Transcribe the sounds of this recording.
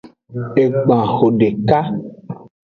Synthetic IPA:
e˨ɡ͡bã˨xo˨ɖe˨ka˦

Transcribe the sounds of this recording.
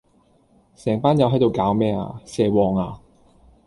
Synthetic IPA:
sɛː˨˩ŋpaː˥njɐ˨˧wɦɐ˨˥jt̪o˧wkaː˨˥wmɛː˥a̰ː˨˧sɛː˧wɔː˨˧ŋaː˧

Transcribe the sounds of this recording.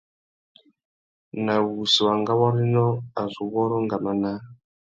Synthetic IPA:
na˨wu˨si˨wa˨ŋɡa˦wɔ˦ɾi˦nɔ˦a˨zʷu˨βɔ˦ɾɔ˦ŋɡa˨ma˦na˦

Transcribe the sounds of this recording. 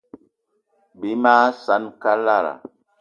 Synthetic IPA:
bi˨˦ma˦sa˨˦nka˦la˦˨ɾa̰˨

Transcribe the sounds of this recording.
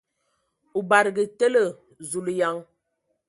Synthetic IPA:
u˨ba˨ɾɡi˨te˦lə˦˨ | zu˨lu˨ja˨˦ŋ

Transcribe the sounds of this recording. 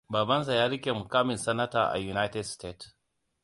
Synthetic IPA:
baː˨bɐ˦ns̬a˨jaː˦ɾɪ˦kʲe˨mʊ˨kaː˦mɪ˨nsɐ˦nɐ˦taː˨ʔa̰˨ju˨na˦tɛ˦dsteː˦t

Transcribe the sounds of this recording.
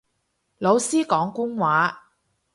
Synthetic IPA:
lo˨˧wsiː˥kɔː˨˥ŋkʷʊ˥ŋwaː˨˥

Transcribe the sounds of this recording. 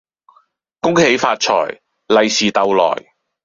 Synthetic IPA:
kʊ˥ŋhe˨˥jfaː˧t̚t͡ʃʰɔ̰ː˨˩j | lɐ˨jsiː˨t̪ɐ˨wlɔ̰ː˨˩j

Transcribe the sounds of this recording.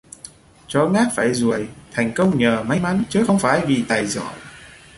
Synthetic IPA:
t͡ɕɔ˨˦ŋaː˦˥k̚faː˧˩jzu˨˩əjt̪ʰa˨˩jŋ̟kə˧wŋ͡mɲəː˨˩ma˨˦jma˨˦nt͡ɕɨː˨˦xə˧wŋ͡mfaː˧˩jvi˨˩t̪aː˨˩jzɔ̰˧˨j

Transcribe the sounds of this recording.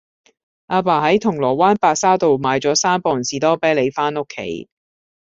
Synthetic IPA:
ʔaː˧paː˨˩hɐ˨˥jt̪ʰʊ˨˩ŋlɔː˨˩waː˥npaː˧k̚saː˥t̪o˨wmaː˨˧jt͡sɔː˨˥saː˥mpɔː˨nsiː˨˧t̪ɔː˥pɛː˥le˨˧jfaː˥nʊ˥kʰːḛ˨˥j

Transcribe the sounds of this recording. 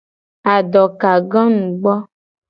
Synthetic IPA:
a˨ɖɔ˨ka˨ɡɔ̃˦nũ˨ɡ͡bɔ˦

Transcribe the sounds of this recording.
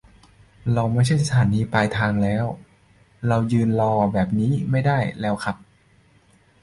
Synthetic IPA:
ɾa˧wma˥˩jt͡ɕʰa˥˩jsa˧t̪ʰaː˩˦niː˧paː˧jt̪ʰaː˧ŋlɛː˦˥w | ɾa˧wjɯː˧nlɔː˧˩bɛː˨˩p̚niː˦˥ma˥˩jdaː˥˩jlɛː˦˥wkʰa˦˥p̚

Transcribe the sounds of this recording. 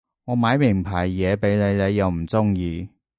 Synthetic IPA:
ŋɔː˨˧maː˨˧jmɪ˨˩ŋpʰaː˨˩jːɛː˨˧pe˨˥jne˨˧jnle˨˧jːɐ˨˧wm̩˨˩t͡sʊ˥ŋjiː˧

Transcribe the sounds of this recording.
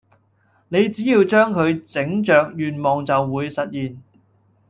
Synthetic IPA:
ne˨˧jt͡siː˨˥jiː˧wt͡ʃœː˥ŋkʰɵ˨˧ɥt͡sɪ˨˥ŋt͡ʃœː˨k̚jyː˨˩nmɔː˨˩ŋt͡sɐ˨wːuː˨˧jsɐ˨t̚jiː˨n

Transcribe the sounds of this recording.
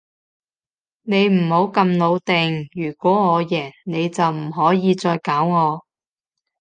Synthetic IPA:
ne˨˧jm̩˨˩ho˨˥wkɐ˧mno˨˧wt̪e˨ŋjyː˨˩kʷɔː˨˥ŋɔː˨˧jɛː˨˩nne˨˧jt͡sɐ˨wm̩˨˩ɦɔː˨˥jiː˨˧t͡sɔː˧jkaː˨˥wŋɔː˨˧

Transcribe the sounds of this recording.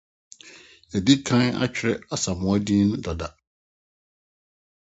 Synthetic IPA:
æ˨di˦kʰã˦na̰˦t͡ɕᶣɾɛ˦a˨sa˨mʊ̃˨˦a˦dĩː˦nʊ̃˦dɔ˨da˨

